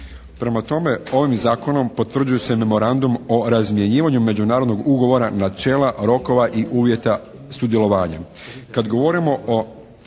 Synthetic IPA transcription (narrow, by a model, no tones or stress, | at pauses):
pɾe̞mat̪o̞me̞o̞ʋimzaːko̞no̞mpo̞t̪ʋr̩d͡ʒujese̞me̞mo̞ɾand̪umo̞ɾazmje̞ɲiːʋaɲume̞d͡ʑunaːɾo̞d̪no̞ɡuɡo̞ʋo̞ɾanat͡ʃe̞ːlaɾo̞ko̞ʋaʔiʔuːʋje̞t̪a | sud̪je̞lˠo̞ʋaːɲa̰ | kad̪ɡo̞ʋo̞ɾimo̞o